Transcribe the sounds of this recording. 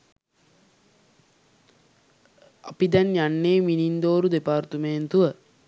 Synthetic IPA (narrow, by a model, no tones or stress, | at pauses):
apid̪ɛnjanːeːminind̪oːɾud̪epaːrt̪əmeːnt̪uʋə